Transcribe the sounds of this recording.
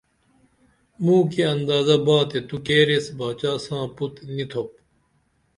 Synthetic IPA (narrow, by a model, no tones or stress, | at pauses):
mũːkeɐnd̪aːzɐbaːt̪et̪ukeːɾesbaːt͡ɕaːsãːput̪nit̪ʰop̚